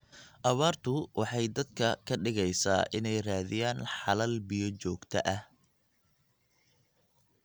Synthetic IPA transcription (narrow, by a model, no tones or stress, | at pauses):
ʔɐβaːrt̪ʰʊwʔɑħɑjd̪ɐd̪̚kʰɐkʰɐɖɪɣɛjsa̰ːʔɪnɛjraːðɪjaːnħɑlɐlbijɔt͡ʃɔːɡt̪ʰɐ̰ʔɐh